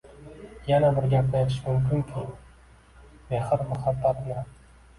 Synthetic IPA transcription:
janabɪɾɡʲap̚najet̪ʰɪʃmʊmkʰʲɪŋkʲʰɪ | mehɨɾmʊhabːat̪nɪ

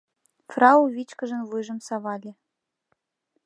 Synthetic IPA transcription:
frɑuvʲit͡ɕkə̆ʒə̆nvujʒə̆msɑβɑlʲĕ

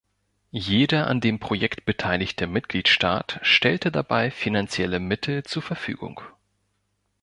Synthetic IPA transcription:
jeːdɐʔa̰ndeːmpʁ̥ojɛktb̥ətʰaɪlɪçt̚d̥əmɪt̚ɡ̥liːtʃta̰ːtʃtɛltədabaɪfinant͡sjɛləmɪtʰl̩t͡suːɐfɛɐfy̰ːɡʊ̰ŋ

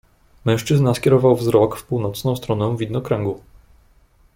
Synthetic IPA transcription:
mɛ̃w̃ʂt͡ʂɘznaskʲɛɾɔvawvzɾɔkfpuwnɔt̪snɔ̃w̃st̪ɾɔnɛ̃vʲid̪nɔkɾɛŋɡu

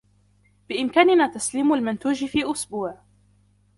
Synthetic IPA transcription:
b̥ɪʔɪmkaːnɪnaːt̪asliːmalmʊnt̪uːd͡ʒɪfiːʔʊsbuːʕ

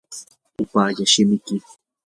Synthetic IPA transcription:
ʊpaːʎaʃɪmɪkɪ

